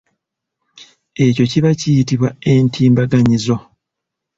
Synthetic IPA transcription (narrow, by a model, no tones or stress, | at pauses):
e̞co̞ciβacijitiβwae̞ntʰiːmbaɡaɲizo̞